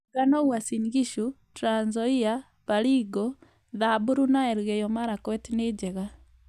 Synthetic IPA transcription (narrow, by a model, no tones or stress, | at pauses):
ɡanɔɣwasinɣiʃu | tɾanzɔia | βaliːɡɔ | ðabuɾunaɛɾɣɛjɔmaɾakwɛtined͡ʒɛɣa